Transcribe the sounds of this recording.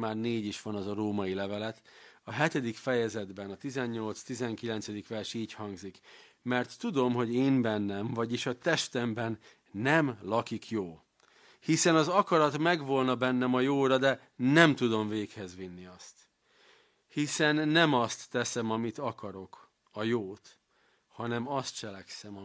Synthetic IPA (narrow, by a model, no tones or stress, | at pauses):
maːrneːɟiʃʋɒnɒzɒɾoːmɒilɛvɛlɛt̪ɒɦɛt̪ɛd̪ikfɛjɛzɛd̪bɛnɒt̪izɛɲːo̞lt̪st̪izɛŋkilɛnt̪sɛd̪ikʋɛrʃiːchɒŋɡzik | mɛrt̪ːud̪o̞mɦo̞ɟeːmbɛnːɛmvɒɟiʃɒt̪ɛʃt̪ɛmbɛnː | ɛmlɒkikjoː | hisɛnɒzɒkɒɾɒt̪mɛɡʋo̞lnɒbɛnːɛmɒjoːɾɒd̪ɛ | nɛmt̪ud̪o̞mveːkhɛzʋinːiɒst̪ | hisɛnːɛmɒst̪ːɛsɛmɒmit̪ɒkɒɾo̞k | ɒjoːt̪ | hɒnɛmɒst̪̚t͡ʃɛlɛksɛmɒ